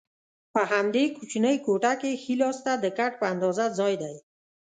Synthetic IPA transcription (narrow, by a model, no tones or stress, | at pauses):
paɦamd̪ekʰut͡ʃinəjkoʈakexilɔst̪ad̪əkaʈ̚pəand̪ɔzazɔjd̪aj